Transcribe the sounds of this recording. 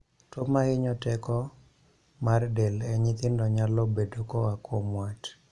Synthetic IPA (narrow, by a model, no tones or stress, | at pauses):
tomaɪɲɔtɛkɔ | mardɛlɛɲɪt̪ɪndɔɲalɔbedokɔakʰomwat